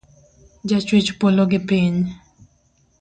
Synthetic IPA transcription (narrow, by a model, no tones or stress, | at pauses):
d͡ʒat͡ʃwet͡ʃpoloɡɪpiɲ